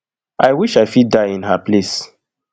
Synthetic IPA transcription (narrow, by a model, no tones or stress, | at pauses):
ʔajwiʃajfit̚daĩnhaples